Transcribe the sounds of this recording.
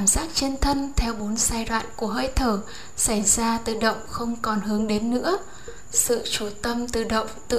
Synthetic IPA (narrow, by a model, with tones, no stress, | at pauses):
a˧˩mzaː˦˥k̚t͡ɕə˧nt̪ʰə˧nt̪ʰɛ˧wɓo˨˦nsaː˧jlwa̰ː˧˨nku˧˩əɦəː˧jt̪ʰəː˧˩ | sa˧˩jzaː˧t̪ɨ̰˧˩ɗə̰˧˨wŋ͡mxə˧wŋ͡mkɔ˨˩nɦɨ˨˦əŋɗe˨˦nːɨ̰˧˥ə | sɨ̰˧˨t͡ɕu˧˩t̪ə˧mt̪ɨ̰˧˩ɗə̰˧˨wŋ͡mt̪ɨ̰˧˨